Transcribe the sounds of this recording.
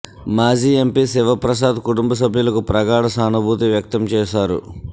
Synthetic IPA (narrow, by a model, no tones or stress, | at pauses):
maːd͡ʒiːe̞mpisiʋɐpɾɐs̬aːd̪kuʈumbɐs̬ɐbʱjulɐkupɾɐɡaːɽɐsaːnubʱuːt̪iʋjɐk̚t̪ɐmt͡ʃɛːʃaːɾṵ